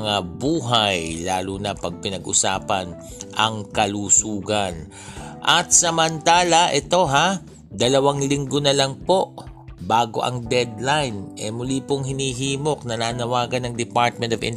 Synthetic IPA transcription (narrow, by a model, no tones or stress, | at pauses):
ŋabuːɦajlaːlunɐpɐɡ̚pɪnɐɡʔʊsa̰ːpɐn | ʔɐŋkɐlusuːɡɐn | ʔɐt̪̚sɐmɐnt̪aːlɐʔɛt̪o̞ɦa | d̪ɐlɐwaŋlɪŋɡonɐlɐŋpo̞ʔbaːɡo̞̰ʔɐ̰ŋd̪ɛd̪̚lajnʔɛmʊlipoŋhɪniːɦiːmo̞k̚nɐnaːnɐwaːɡɐnːɐŋd̪ɪpaɹt̪̚mɛnt̪ovɪ̰n